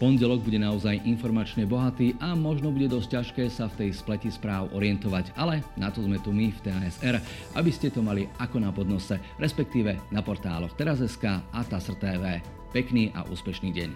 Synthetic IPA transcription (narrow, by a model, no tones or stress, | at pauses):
pɔnɟɛlɔɡ̚buɟɛnaɔzajʔinfɔɾmat͡ʃɲɛbɔɦat̪iːʔamɔʒnɔbuɟɛd̪ɔsc̚caʃkɛːsaft̪ɛjsplɛcispɾaːʊʔɔɾɪɛnt̪ɔʋaɟalɛnat̪ɔzmɛt̪umift̪ɛaɛzɛɾ | ʔa̰biscɛt̪ɔmaliʔakɔnapɔd̪nɔsɛ | ɾɛspɛk̚t̪iːʋɛnapɔɾt̪a̰ːlɔxt̪ɛɾazɛskaːat̪asr̩t̪ɛːʋɛː | pɛkniːʔa̰ʔṵːspɛʃniːɟɛ̰ɲ